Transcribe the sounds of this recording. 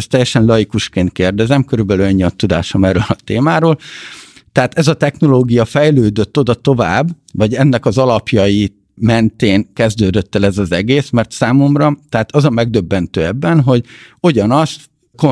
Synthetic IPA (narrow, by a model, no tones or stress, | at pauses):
st̪ɛjːɛʃɛnlɒjikuʃkeːnt̪̚keːrd̪ɛzɛmkøɾylbɛlyɛɲːiɒt̪ːud̪a̰ːʃomɛrøːlɒt̪eːmaːɾoːl | t̪ɛaːt̪ɛzɒt̪ɛxno̞loːɡijɒfɛjløːd̪øt̪ːod̪ɒt̪o̞vaːbː | vɒɟɛnːɛkɒzɒlɒpjɒji | mɛnt̪eːnkɛzd̪øːd̪øt̪ːɛlɛzɒzɛɡeːsmɛrt̪saːmomrɒt̪ɛaːt̪ɒzɒmɛɡ̚d̪ø̞bːɛnt̪ø̰ːɛbːɛnɦo̞ɟoɟɒnɒst̪ | ko